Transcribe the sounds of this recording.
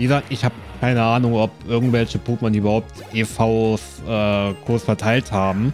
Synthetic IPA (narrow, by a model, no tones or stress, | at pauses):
viːɡəzaːtɪçhaːbəkʰaɪnəʔaːnʊŋɔpʔɪɐɡŋ̩tv̥ɛlçəpʰuːpmɐndiːyːbɐhaʊp̚tʔefaʊsʔɛːkʰʊːsfɛɐtʰaɪlthaːbm̩